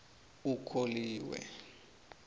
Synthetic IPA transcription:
ukʰoliːwɛ̰

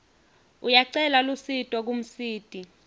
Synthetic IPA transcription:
ujaǀɛlalusitʼɔk̬um̩siːtʼi

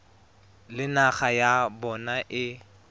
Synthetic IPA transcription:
lɪnaχajabɔnaʔɪ

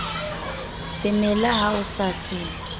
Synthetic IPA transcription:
sɪmɛlaɦaʊsasɪːn

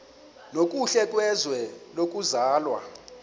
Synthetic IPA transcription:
nokʼuɬɛkʼwɛzwɛlok̬ʼuzaːlwa̰

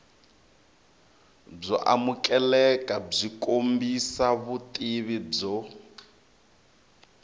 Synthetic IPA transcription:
b͡ʐɔʔa̰mukʼɛlɛkʼab͡ʐikʼombisaβutʼiβib͡ʐɔ

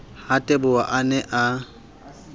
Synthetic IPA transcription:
hatʼɛbʊaʔanɛʔa

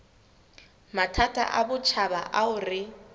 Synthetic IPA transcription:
matʰatʰʼa̰ʔabʊt͡ʃʰabaʔaʊrɪ

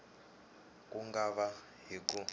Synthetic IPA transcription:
kuŋɡaβa | ɦiku

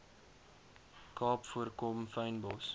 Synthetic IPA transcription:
kɑːpfuərkomfəɥnbɔs

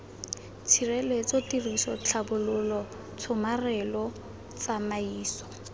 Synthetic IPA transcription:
t͡sʰirɛlet͡sɔtirisɔt͡ɬʰabʊlʊlɔ | t͡sʰʊmarɛlɔ | t͡samaiːsɔ̥

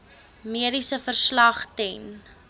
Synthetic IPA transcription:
miəɾisəfərslɐχtɛn

